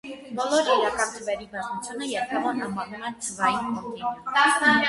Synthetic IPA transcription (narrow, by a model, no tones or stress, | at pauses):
bɔlɔɾɦɛjɾɑkɑnt̪ʰəvɛɾibɑznut͡sʰjunəjɛɾkʰɛvɑnɦɑmɑɾnumɛt͡sʰəvɑjinkɔk̪iɾə